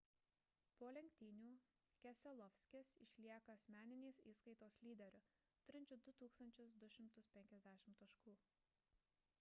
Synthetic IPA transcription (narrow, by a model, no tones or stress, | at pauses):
poːlʲɛŋʲk̚ʲt̪ʲiːnʲuː | kʲɛsʲɛlˠɔfʲsʲkʲesɪ̰ʃʲlʲiɛkɐɐsʲmʲæːnʲɪnʲeːsiːskɐɪt̪oːslʲiːd̪ʲɛɾʲʊ | t̪ʊɾʲɪnʲt͡ʃʲʊd̪ʊt̪uːkst̪ɐnʲt͡ʃʲʊsd̪ʊʃʲɪmt̪ʊspʲɛŋʲkʲɛzʲd̪ʲæːʃʲɪmt̪ɐʃkuː